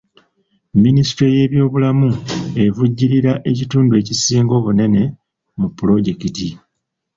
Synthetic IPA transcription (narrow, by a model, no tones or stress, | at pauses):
minisi̥tɾe̞je̞ːβjo̞ːβulamue̞vuɟːiɾiɾaʔe̞cituːndue̞ːcisiːŋɡo̞ːβune̞ne̞ | mupːulo̞ɟe̞kiti